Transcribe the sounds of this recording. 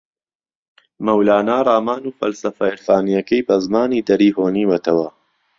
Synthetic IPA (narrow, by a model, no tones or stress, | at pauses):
mɐwlaːnaːrˤaːmaːnuːfɐlsɐfɐɪɾfaːnijɐkɐjbɐzmaːniːd̪ɐɾiːɦoːniːwɛt̪ʰɐwɐ